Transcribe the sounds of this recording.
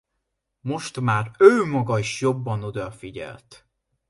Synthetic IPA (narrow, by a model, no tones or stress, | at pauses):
mo̞ʃt̪maːrøːmɒɡɒiʃjo̞bːɒnud̪ɒfiɟɛ̰lt̪